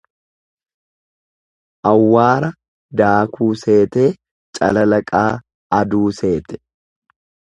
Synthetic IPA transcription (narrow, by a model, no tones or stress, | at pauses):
ʔɐwːaːɾɐ | d̪aːkʰuːse̞ːt̪e̞ː | t͡ʃʼɐ̰lɐlɐkʼaː | ɐd̪uːse̞ːt̪ɛ̥